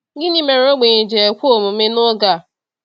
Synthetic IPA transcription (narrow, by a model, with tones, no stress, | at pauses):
ɡɪ˦ni˦me˨ɾo˦ɡ͡be˨ɲe˨d͡ʒe˨e˨kʷu˦o˦˨mʊ˨˦me˦nʊ˦ɡa˨